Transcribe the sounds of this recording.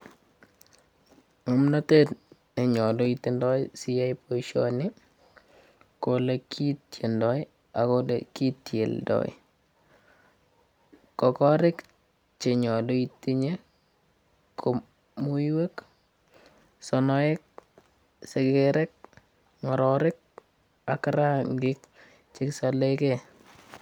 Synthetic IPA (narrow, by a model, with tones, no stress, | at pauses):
ŋo˨mna˦te˦tne˨ɲɔ˨do˨iti˦ndɔ˦jsi˦a˦po˦iʃo̰nɪ˦ | kolekʰi˦tje˨ndɔ˦j | a˨kodeki˦tjḛ˨ldɔ̰˨j̰ | kɔ˨kɔ˦ɾɪ˦k | t͡ʃɪ˨ɲɔ˨do˦i˨ti˦ɲe˦ | kʰo˨ | mu˦iwe˦k | sɔ˨nɔ˦ɪ˦k̚ | se˨keɾɛ˦k̚ | ŋɔ˨ɾɔɾɪ˦k̚ | a˨kɾa˦ŋɡɪ˦k | t͡ʃɪ˦ksa˨le˦kɛ